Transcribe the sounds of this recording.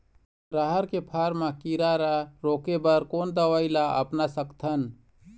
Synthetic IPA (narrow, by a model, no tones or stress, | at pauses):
ɾaɦəɾkepʰaːɾmakiɾaɾaɾoːkebəɾkoːnd̪əʋailaə̰pnasəkt̪ʰən